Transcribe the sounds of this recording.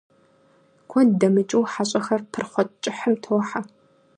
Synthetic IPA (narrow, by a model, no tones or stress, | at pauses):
kʷʰɔdɐmɨt͡ʃʼɪwħaɕʼɐxɐrtʰɨrχʷɔt͡ʃʼɪħəmtʰwħa